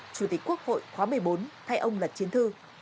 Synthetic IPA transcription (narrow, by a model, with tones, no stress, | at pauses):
t͡ɕu˧˩t̪i˨˩k̟ku˦˥ək̚ho̰˧˨jxwaː˨˦mɨ˨˩əjɓo˨˦nt̪ʰa˧jʔə˧wŋ͡mlə˨˩t̚t͡ɕi˨˦ənt̪ʰɨ˧